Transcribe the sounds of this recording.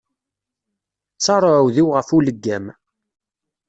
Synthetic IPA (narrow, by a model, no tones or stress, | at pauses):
sɑɾˤoʕwðiwʁəfuləɡːæm